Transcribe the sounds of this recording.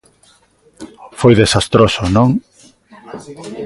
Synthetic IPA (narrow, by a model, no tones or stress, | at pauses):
fojðesast̪ɾosonõŋ